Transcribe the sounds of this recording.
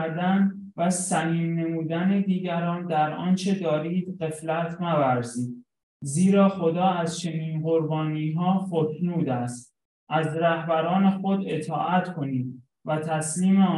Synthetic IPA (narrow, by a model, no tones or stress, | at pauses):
ɾd̪æn | væsæniːmːe̞muːd̪æne̞d̪iːɟæɾɒːnd̪æɾɒːnt͡ʃʰe̞d̪ɒːɾiːd̪̥ɢe̞flæt̪ʰnævæɾziːd̪̚ | ziːɾɒːxo̞d̪ɒːæzt͡ʃʰe̞niːnɢoɾbɒːniːɦɒːxot̪ʰnuːd̪æst̪ | ʔæzɾæhbæɾɒːne̞xod̪e̞t̪ʰɒ̰ːʔæt̪kʰo̞niːd̪ | væt̪ʰæsliːme